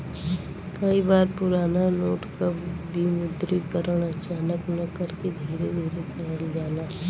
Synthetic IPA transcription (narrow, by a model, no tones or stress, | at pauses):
kəibaːɾpʊɾaːnanoːʈkabʱimʊd̪ɾikəɾəɽ̃ət͡ʃaːnəknɐkəɾked̪ʱiːɾed̪ʱiːɾekəɾənd͡ʒaːnaː